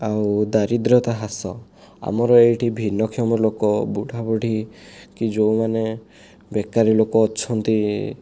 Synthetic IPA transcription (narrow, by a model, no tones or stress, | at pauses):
awd̪aɾid̪ɾɔt̪aɦasɔ | a̰mɔɾɔejʈʰibʱinːɔkʰiɔmɔlokɔbuɽʱabɔɽʱikid͡ʒowmane | bekaɾilokɔːt͡ʃʰɔnt̪i